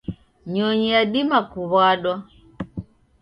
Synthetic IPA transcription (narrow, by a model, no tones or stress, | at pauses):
ɲɔɲijaɗimakuβaɗwa